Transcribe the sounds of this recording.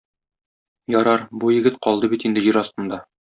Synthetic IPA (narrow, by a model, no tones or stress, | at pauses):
jɒɾɑɾbujɘ̆ɡɘt̪̚qɒlˠd̪ɤbit̪ind̪ɘ̆ʑiɾɒst̪ɤ̆nd̪ɑ